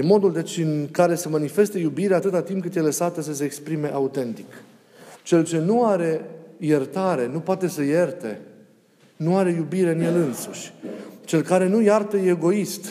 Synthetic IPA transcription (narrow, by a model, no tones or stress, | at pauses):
nmo̞d̪uld̪e̞t͡ʃʲɨŋkaɾe̞semanife̞st̪e̞jubiɾeaːt̪ɨt̪at̪impkɨt̪jelesat̪əsəs̬e̞ːkspɾime̞ʔaut̪e̞nt̪i̥k | t͡ʃe̞lt͡ʃe̞nuaɾe̞jert̪aɾe̞nupoat̪e̞səje̞rt̪e̞̰ | nuaɾe̞jubiɾe̞ɨnje̞lɨnsuʃʲt͡ʃe̞lkaɾe̞nujart̪əeɡo̞ist̪